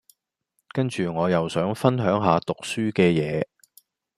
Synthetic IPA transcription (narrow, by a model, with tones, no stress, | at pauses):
kɐ˥nt͡ʃyː˨ŋɔː˨˧jɐ˨wsœː˨˥ŋfɐ˥nɦœː˨˥ŋɦaː˨˧t̪ʊ˨k̚syː˥kɛː˧jɛː˨˧